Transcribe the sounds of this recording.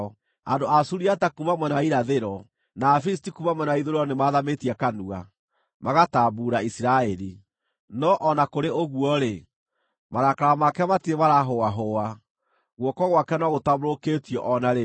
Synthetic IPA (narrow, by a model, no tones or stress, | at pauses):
andoasuɾiatakumamwɛnaiɾaðeɾɔ | naːfis̬tikumamwɛnaiðoɾɔnemaːðametiakanua | maɣataːbuːɾaisiɾaɛɾi | nɔʔɔnakoɾeoɣuɔɾe | maɾakaɾamakɛmatiemaɾaɦoaɦoa | ɣwɔkɔɣwakɛnɔɣotamoɾoketiɔʔɔnaɾe